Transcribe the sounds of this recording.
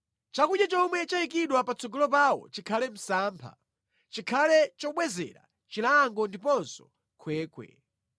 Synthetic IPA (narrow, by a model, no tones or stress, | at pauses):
t͡ʃakuɗjat͡ʃɔmwɛt͡ʃaikiɗwapat͡sʰɔɡɔlɔpawɔ̰t͡ʃikʰalɛm̩saːmpʰa̰ | t͡ʃikʰalɛt͡ʃɔɓwɛzɛ̰ɾa̰ | t͡ʃilaŋɡɔndipɔnsɔ̥ | kʰwɛːkwɛ̰